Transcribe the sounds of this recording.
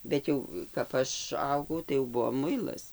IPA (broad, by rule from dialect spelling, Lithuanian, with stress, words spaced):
ˈbʲɛt jɛʊ kɐp ˈɐʃ ˈɐʊɡɐʊ tɐɪ jɛʊ ˈbʊʋoː ˈmʊɪlˠɐs